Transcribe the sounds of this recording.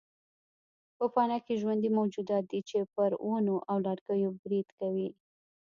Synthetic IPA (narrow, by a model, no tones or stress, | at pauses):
pəpɑnɑkeʒwand̪imawd͡ʒud̪ɑt̪̚d̪it͡ʃepəɾwonoʔawlɑɽɡəjobɾid̪̥kawi